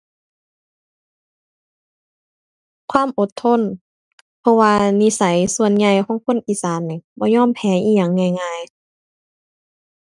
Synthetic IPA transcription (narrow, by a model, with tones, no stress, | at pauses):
kʰwaː˧˥˨mʔo˧˦t̪ʰːo˧˥˨n | pʰɔ˧waː˧ni˧˨sa˨˦jsu˧ənɲa˧jkʰɔː˧˦ŋkʰo˧˥˨nʔiː˨saː˨˦nːi˧˩bɔː˧˦ɲɔː˧˥˨mpʰɛː˨˦ʔiː˧˩ɲa˨˩ŋːa˧˩jŋaː˧˨j